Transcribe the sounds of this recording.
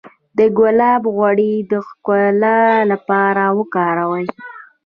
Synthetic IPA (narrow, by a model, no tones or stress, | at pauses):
d̪əɡʊlɑbɣwaɽid̪əxkʊlalapɑɾawəkɑɾawəj